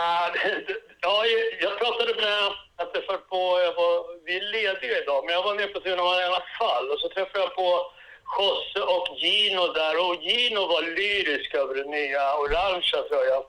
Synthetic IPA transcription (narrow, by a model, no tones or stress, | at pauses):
aɛjɑːjɑːɡ̚pʰɾɑːt̪ad̪əmɛjat̪ʰɾɛfːapʰɔjavavɪæɭeːd̪ɪɡaɪd̪ɑːmɛnjaɡvaɾmeːɾpʰɔsɛnamaneːnːafalːɔsɔt̪ʰɾɛfːad̪japʰɔ | ɧɔsːəʔɔkjiːnʊd̪æɾɔjiːnʊvalyːɾɪskaøːvəɖɛnːyːaʊɾanʂat̪ʰɾɔja